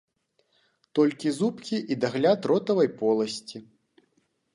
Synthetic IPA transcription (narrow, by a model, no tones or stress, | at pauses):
t̪ɔlʲkʲizupkʲiʔid̪aɣlʲat̪rɔt̪ɐvɐjpɔlˠɐsʲt͡sʲi